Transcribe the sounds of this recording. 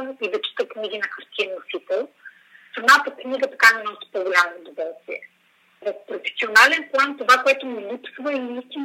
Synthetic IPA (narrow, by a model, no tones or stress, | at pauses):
id̪ɐt͡ʃi̥t̪əknʲiɡʲinɐkɐɾt̪ʰinːosit̪ɛlˠ | sɐnat̪ɐkniɡət̪ɐkaninɔʃt̪ɛ̥pɔɡolʲamoːd̪ovɔlˠst̪vʲiɛ̰ | vofpɾofɛ̥sionalɛnplˠant̪ovakoɛt̪ʊmilipsvəiist̪ʲin